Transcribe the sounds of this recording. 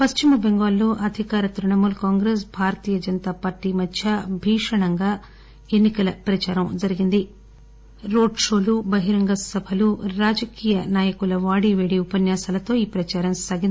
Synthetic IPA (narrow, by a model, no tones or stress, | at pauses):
pɐst͡ʃimɐbeŋɡaːlːoːʔɐd̪ʱikaːɾɐt̪ɾuɳɐmulkaːŋɡɾeːs̬bʱaːɾɐt̪iːjɐd͡ʒɐnt̪aːpaːɾʈːiːmɐd̪ʱjɐbʱiːʂɐɳɐŋɡaː | e̞nːikɐlɐpɾɐt͡ʃaːɾɐmd͡ʒɐɾiɡind̪i | ɾoːɖʂo̞ːlubɐɦiɾɐŋɡɐsɐbʱɐluɾaːd͡ʒɐkiːjɐnaːjɐkulɐʋaːɽiːʋeːɽiupɐnjaːsaːlɐt̪o̞ːiːpɾɐt͡ʃaːɾɐmsaːɡind̪